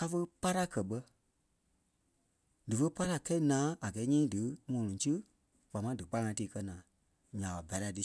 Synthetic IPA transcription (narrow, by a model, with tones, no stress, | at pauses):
ka˧fə˦pa˦ɾa˦kɜ˨ɓə˧ | dɨ˨fə˦pa˦ɾa˦kɛ˦i˦nãː˨˦ʔa˨ɡɛ˨˦ɲĩː˦dɨ˨˦ŋɔ̃˨nɔ̃˨˦tɨ˦ | k͡pa˨mã˧˦dɨ˨k͡pa˦ŋã˧˦tiː˧˦kɜ˧nãː˨˦ | ɲã˨ɓa˨ba˨˦la˧˨dɨ˨˦